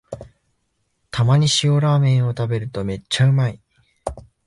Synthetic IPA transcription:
t̪ʰamaɲ̟iɕio̞ɾaːmẽ̞ɰ̃o̞t̪abe̞ɾɯ̟t̪o̞me̞t͡ɕːaɯ̟mai

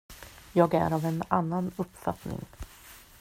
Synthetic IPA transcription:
jɑːɡæ̰ɾavɛnanːanɵpːfa̰t̪nɪ̰ŋ

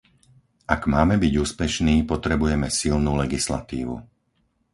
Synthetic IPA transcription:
ʔaɡmaːmɛbiɟuːspɛʃniːpɔt̪ɾɛbujɛmɛsilnuːlɛɡisla̰t̪iːʋṵ

